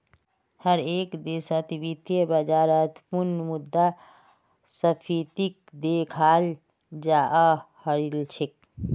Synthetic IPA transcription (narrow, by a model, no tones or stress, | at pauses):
həɾeːkd̪eːsət̪ibit̪jəbəd͡ʒaːɾət̪puɾnmud̪ːa | səpʰit̪ik̚ | d̪ekʰaːl | d͡ʒaʔəhəɾilt͡ʃʰik̚